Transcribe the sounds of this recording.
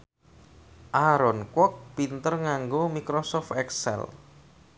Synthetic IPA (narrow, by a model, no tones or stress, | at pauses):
ʔaɾɔnkwɔk̚pint̪ərŋaŋɡomikɾosɔft̪ɛksɛ̰l